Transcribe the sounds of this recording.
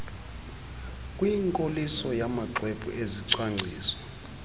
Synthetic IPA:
kʼwiŋkʼolisɔjamaǀwepʰʼṵʔeziǀwaŋ͡ǀʱiːzɔ

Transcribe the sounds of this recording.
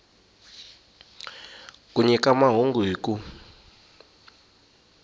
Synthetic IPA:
kʼuɲɛkʼamaɦoŋɡwiːkʼu

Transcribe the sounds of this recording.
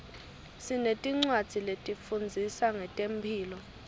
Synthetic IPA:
sinetʼiŋ͡ǀwad̥d͡z̥ʱiletʼifund͡zʱisaŋɛtʼempʰiːlɔ

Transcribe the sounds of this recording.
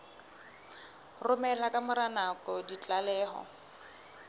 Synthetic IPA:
rʊmɛlakʼamʊɾanakʼɔdit͡ɬʼalɛːhɔ̰

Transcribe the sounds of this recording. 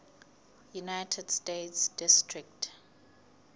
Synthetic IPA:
junajtʰɛd̥stetsd̥istʰɹik̚t

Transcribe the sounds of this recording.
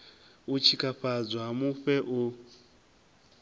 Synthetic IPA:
ut͡ʃʰikʼaɸad͡zaɦamuɸɛʔu

